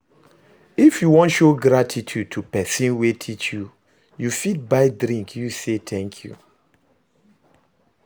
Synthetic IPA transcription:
ifjuwɔ̃ntʃoɡɾatʰitʰud̚tʰupɛsĩnwetʰit͡ʃju | jufit̚baɪdɾĩŋkʰjuset̪ʰɛ̃ŋkʰjṵ

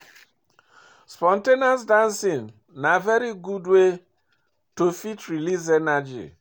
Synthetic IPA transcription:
spɔ̃ntenasdãnsĩn | navɛɾiɡudwe | tofitɾiliz̬ɛnad͡ʒḭ

